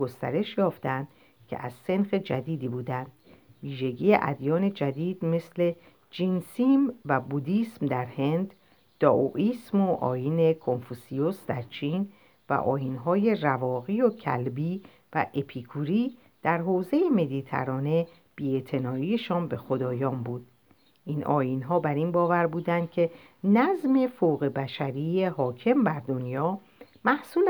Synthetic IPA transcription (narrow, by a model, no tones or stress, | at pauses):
ɡost̪æ̰ɾe̞ʃjɒːft̪ænd̪̥ | cʰḛʔæzse̞nxe̞d͡ʒæd̪iːd̪iːbuːd̪ænd̪̥viːʒe̞ɟiːjeʔæ̰d̪jɒːne̞d͡ʒæd̪iːd̪̥me̞sle̞ | d͡ʒinsimvæbud̪iːsmd̪æɾhe̞nd̪ | d̪̥ɒːʔoʔiːsmoʔɒ̰ːjiːne̞kʰo̞nfusijosd̪æɾt͡ʃʰiːn | væ̰ʔɒ̰ːjinɦɒːje̞rævɒːɣiːocʰæ̰lbiː | væ̰ʔe̞pʰikʰuɾiː | d̪̥æɾɦoːze̞jeme̞d̪iːt̪ʰæ̰ɾɒːne̞ | b̥iːe̞t̪ʰe̞nɒːiːeʃɒːnbe̞xo̞d̪ɒːjɒːmbuːd̪̥̚ | ʔinʔɒ̰ːjinɦɒːbæɾinbɒːvæɾbuːd̪ænd̪̥̚cʰe̞ | næzme̞foɣebæʃæɾiːjehɒːcʰe̞mbæɾd̪o̞njɒː | mæhsuːl